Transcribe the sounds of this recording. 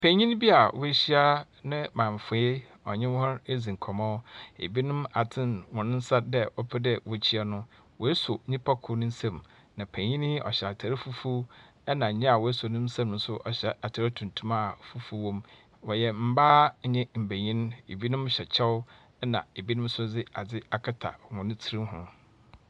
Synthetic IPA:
pʰæ̃˨ɲĩ˦n˦bi˦a˨wʊ˦ɕi˦a˦ | nɪ̃˦mãː˨ɱ˨fʊ˨˦e˦ | ɔ̰˨ɲɪ̃˦hɔ˦ɾe˦d͡zĩ˨ŋ̩˨kʰɔ˨mɔ̃˦ʊ˦ḛ˨bi˦nʊ̃˦ma˨tʰɪ̃˦nwɔ̃˨nʊ̃˦n̩˦sa˦dɛ˦wɔ˦pʰɪ˦dɛ˦wɔ˦t͡ɕʰi˦a˦nʊ̃˦ | wɔ˨e˦sʊ˨ɲĩ˦pa˦kʰʊ˨˦nʊ̃˦n̩˦sã˦m | nã˨pʰæ̃˨ɲĩ˦n˦ʔɔ̰˨ɕɛ˨a˨tʰa˨ɾɪ˦fu˦fu˦ | ɛ˦nã˨ɲɛ̃˦a˨wɔ˨e˦sʊ˨nʊ̃˦m̩˦sã˦mnʊ̃˨˦sʊ˦ʔɔ˨ɕɛ˨a˨tʰa˨ɾɪ˦tʰũ˨ntʰũ˦ma˦˨fu˦fu˦wɔ̃˦m | wɔ˨jɛ˨m̩˦baː˦ɲɛ̃˦m̩˨bæ˨ɲĩ˦ñ˦ḛ˨bi˦nʊ̃˦mɕɛ˨t͡ɕʰɛ˦wʊ˦ | ɛ˦nã˨e˨bi˦nʊ̃˦m̩˦sʊ˦d͡zɪ˦a˨d͡zɪ˦a˨kʰa˦tʰa̰˨wɔ̃˨nʊ̃˦tʰi˦ɾĩ˦m˦ɦʊ̰̃˦

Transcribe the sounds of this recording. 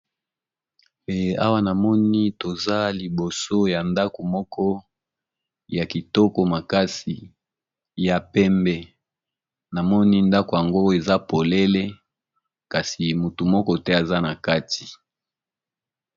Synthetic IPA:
a̰˦wa˦na˨mɔ˦ni˦to˨za˦li˨bo˨so˦ja˨nda˦ko˨mɔ˦kʰɔ˦ | ja˨ki˨tɔ˦ko˨ma˨ka˦si˨ | ja˨pɛ˦mbɛ˦ | na˨mɔ˦ni˦nda˦ko˨ja˨ŋɡo˦e˨za˦po˨le˦le˦ | ka˨si˨mu˨tu˨mɔ˦kɔ˦tɛ˦a˨za˦na˨ka˦ti̥˨

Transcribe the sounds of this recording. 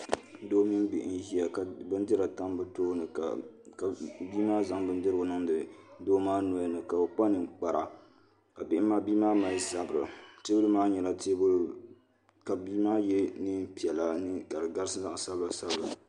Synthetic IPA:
doː˦mi˦nbɪ̰˨ʔn˦ɦi˦a˨ka˨bɨ˦ndɨ˦ɾa˨ta˦mbɨ˦toː˦nɨ˨a˨ | ka˨biː˦maː˦za˨˦ŋbɨ˦ndɨ˦ɾɨ˨ʊ˦nɨ˦ŋdɨ˨doː˦maː˦nu˨a˦nɨ˨ka˨bɨ˨k͡pa˦nɨ˨k͡pa˨ɾa̰˨ | ka˨bɪ˦ʔɪ˦mːaː˦biː˦maː˦ma˦za˨bɾɨ˨te˦bɨ˦lɨ˦maː˦ɲɛ˨la˨te˦b | ka˨biː˦maː˦jɛ˦nɨ˦pi˨ɛ˨la˨nɨ˦ka˨dɨ˨ɡa˦ɾɨ˦sɨ˦za˦ʔsa˦bla˨sa˦bɨ˨

